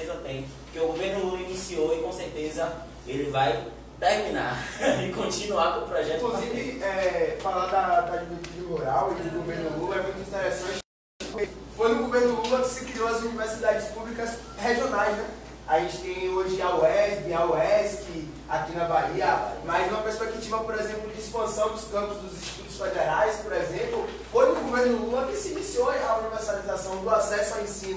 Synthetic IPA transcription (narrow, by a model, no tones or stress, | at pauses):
ezɐbẽj̃ | ʊkeʊɡoveɾnʊlulinisioikõseɾt̪ezɐ | elɪvaj | t̪ɛɾmĩnaɾɪkõt͡ʃĩnuakõpɾɔʒɛt̪ikluzivɪɛfalad̪ɐd̪ad͡ʒiɾet̪iɾɐmoɾawid̪ʊɡoveɾnʊlulɐɛmũj̃t̪ʊĩt̪ɛɾɛsɐ̃t͡ʃɪ | poke | fojnʊɡoveɾnʊluɡɐkɪ̥sɪkɾioɐzunivɛɾsid̪ad͡ʒɪspublikɐs | heʒionajznɛ | aʒẽnt͡ʃɪ̥t̪ẽj̃oʒɪaoɛsbiauɛskɪ | akinɐvaiɐmɐjznũm̃ɐpeɾspeki̥t͡ʃivɐpoɾezẽmplʊd͡ʒɪispɐ̃sɐ̃w̃d̪ʊskɐ̃pʊzd̪ʊzĩʃt͡ʃi̥t̪ud̪ʊsfed̪eɾajspoɾezẽplʊ | fojnʊɡoveɾnʊluɐkɪsɪinisionɐuniveɾsalizasɐ̃w̃d̪ʊasɛsʊawẽsĩnʊ